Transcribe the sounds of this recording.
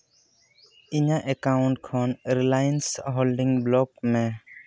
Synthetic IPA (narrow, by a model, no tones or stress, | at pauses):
iɲaʔɛkawʊ̃ɳʈ̚kʰɔnɾilajənsɦolɖiŋblɔk̚mɛ